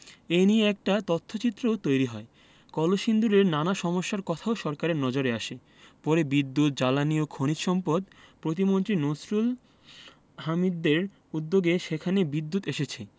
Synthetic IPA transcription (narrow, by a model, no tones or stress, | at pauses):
enieɛk̚ʈat̪ot̪ʰːot͡ɕit̪ːɾoot̪ojɾiɦɔe | kɔloʃind̪uɾeɾnanaʃɔmoʃːaɾkɔt̪ʰaoʃɔɾkaɾeɾnɔd͡ʑoɾeaʃe | pɔɾebid̪ːut̪̚d͡ʑalaniokʰonit̪ʃɔmpod̪ | pɾot̪̬imont̪ɾinosɾul | ɦamid̪ːeɾ | ud̪ːoɡeʃekʰanebid̪ːut̪eʃet͡ɕʰe